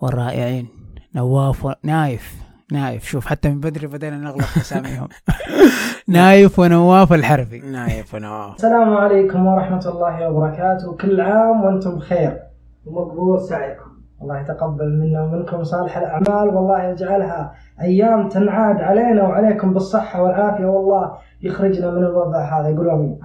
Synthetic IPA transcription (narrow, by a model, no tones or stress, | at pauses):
wɪrˤːɑːʔɪ̰ʕiːnːawːaːfwnaːjɪf | naːjɪ̰fʃuːfħat̪ːamɪmbad̪ɾibad̪eːlanɪɣlɑasaːmḭhʊ̰m | naːjɪfwɪnawːaːfɪlħɑɾˤbinaːjɪfwnaaːsːalaːmʕaleːkʊmwɑɾˤɑħmat̪lˤːɑːhiwɑbɑɾˤɑkaːt̪ʊwkɪlːʕaːmwʔɪnt̪ʊmbxeːɾ | wmaɡðuːɾsaʕiːkʊm | wɑlˤːɑːhjat̪aqabːalmɪnːamɪnkʊmsˤɑːlɪħalʔaʕmaːlwɑlˤːɑːhjad͡ʒʕalɦa | ʔajːaːmt̪anʕaːd̪ʕaleːnawʕaleːkʊmbɨsˤːɨħːawɪlʕaːfɪjawɑlˤːɑːh | jɪxɾɪd͡ʒnamɪnɪlwɑðˤɑʕɦaːðajɡuːlmi